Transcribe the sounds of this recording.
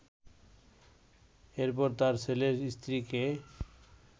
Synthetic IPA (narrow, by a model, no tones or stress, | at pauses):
eɾp̬ɔɾt̪aɾsʰeleɾist̪ʰɾike